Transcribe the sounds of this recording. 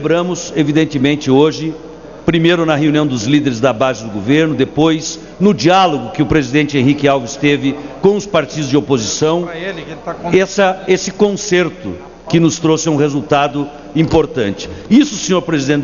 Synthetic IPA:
bɾɐ̃mʊsevid̪ẽnt̪ɪmẽnt͡ʃɪoʒɪ | pɾimejɾʊnɐɦeuniɐ̃w̃d̪ʊzlid̪eɾɪzd̪ɐbazɪd̪ʊɡoveɾnʊd̪epojs | nʊd͡ʒialoɡʊkɪʊpɾezid̪ẽnt͡ʃɪẽɦikɪawvist̪evɪkõʊspaɾt͡ʃid̪ʊzd͡ʒɪopozisɐ̃w̃lt̪ãɛsɐesɪkõseɾt̪ʊ | kɪnʊst̪ɾosɪũhezuwt̪ad̪ʊ | ĩpoɾt̪ɐ̃nt͡ʃɪ̥isʊsẽɲoɾpɾezid̪ẽnt͡ʃ

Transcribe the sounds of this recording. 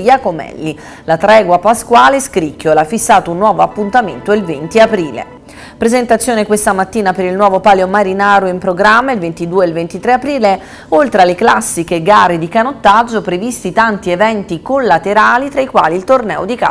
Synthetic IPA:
jakomɛ̰lːi | lat̪ɾɛːɡwapaskwaːleskɾikːolafːisːaːt̪ounːwɔːvoapːunt̪amḛnt̪oilvent̪iapɾiːlḛ | pɾezent̪at̪sːjoːnekwest̪amat̪ːiːnapeɾilnwɔːvopaːljomaɾinaːɾoimpɾoɡɾamːailvent̪id̪uːeːlvent̪it̪ɾeapɾiːle | olt̪ɾealeklasːik̟eɡaːɾed̪ikanot̪ːad͡ʒːopɾevist̪it̪ant̪ievɛnt̪ikolːat̪eɾaːlit̪ɾaikwa̰ːlilt̪ornɛ̰ːod̪ika̰

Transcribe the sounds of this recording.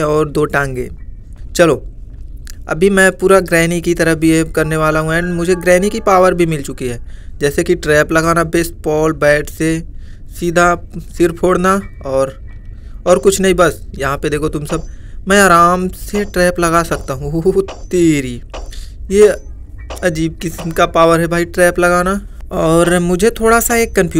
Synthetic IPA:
ɔːɾd̪oːʈɛ̃ːŋɡḛ̃ːt͡ʃɐloː | ɐ̰bʱimɛ̃ːpuːɾaɡɾɛːnikit̪ɐɾəbʱiekɐɾneʋaːlaɦũɛ̃ːnmʊd͡ʒʱeɡɾɛːnikipaːʋəɾbʱimɪlt͡ʃʊkiɦɛːd͡ʒɛːsekiʈɾɛːplɐɡaːnabeːsbɔːlbɛːʈʰse | siːd̪ʱasɪɾpʰoːɽnaɔːɾ | ɔːɾkʊt͡ʃʰnɐɦĩbɐsjɐɦãped̪eːkʰot̪ʊmsɐb̚mɛ̃ːaːɾaːmseʈɾɛːplɐɡaːsɐkt̪aːɦũt̪iːɾiːje | ɐd͡ʒiːb̚kɪsnkapaːʋəɾɦɛbʱaːiʈɾɛːplɐɡaːna | ɔːɾmʊd͡ʒʱet̪ʰoːɽasaeːkːɐ̃mpʰjuː

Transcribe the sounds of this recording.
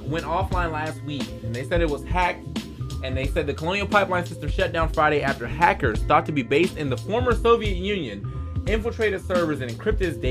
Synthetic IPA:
wɛ̃ntɔflãɪ̃nlæst̚wikɨ̃nðeɪsɛɾɨt̚wʌz̥hæk̚t | ɨ̃nðeɪsɛd̪̚ðɨkʰəlõʊ̃nil̩ˠpʰaɪplãɪ̃nsɪstɨ̃mʃʌt̚d̥ãʊ̃nfɹaɪɾeɪæftə˞hækə˞z̥θɔtʰɨbibeɪstɨ̃nðəfɔɹmə˞soʊviɨt̚jʉ̃njɨ̃nɪ̃ɱfl̩ˠtʰɹ̥eɪɾɨd̥sɜ˞və˞zɨ̃nɨ̃nkʰɹ̥ɪp̚tɨzde

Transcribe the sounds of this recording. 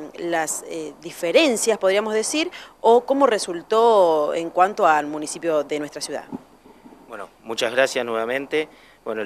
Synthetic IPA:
laseðifeɾe̞nsjaspoðɾiamozðe̞siɾoko̞mo̞result̪oḛŋkwant̪oalmũnisipjoðenwest̪ɾasjuða̰ | bweno̰mut͡ʃazɣɾasjasnweβamẽnt̪e | bweno

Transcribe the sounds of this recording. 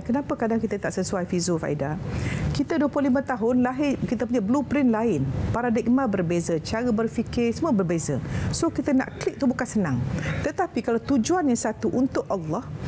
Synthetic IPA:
kənapakadaŋkit̪ət̪aʔsəsuajfizufa̰ʔḭdakit̪əduəplʊhlimə̃t̪aɦʊnlaɦɪrkit̪əp̬uɲablupɾɪnlaɪnpaɾadɪk̚mãbərbezət͡ʃaɾəbərfikɪrsəməbərbezəsokit̪əna̰ʔkliʔ̚t̪ubukansənãŋt̪ət̪apikalawt̪ud͡ʒuanɲasat̪uʔunt̪ʊkalːɑh

